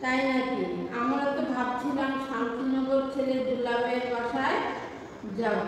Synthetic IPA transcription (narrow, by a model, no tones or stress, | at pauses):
t̪ajnakiamɾat̪obʱab̚t͡ɕʰilamʃant̪inɔɡoɾt͡ɕʰeled̪ʱulapeekaʃae | d͡ʑa